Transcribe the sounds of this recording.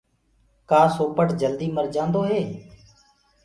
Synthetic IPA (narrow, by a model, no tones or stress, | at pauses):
kaːsoːpəʈd͡ʒəld̪iːməɾd͡ʒãːnd̪oːɦeː